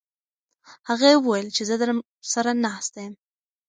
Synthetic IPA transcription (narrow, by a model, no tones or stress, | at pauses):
haɣajwəwajlt͡ʃezəd̪əɾ | saɾanɑst̪ajəm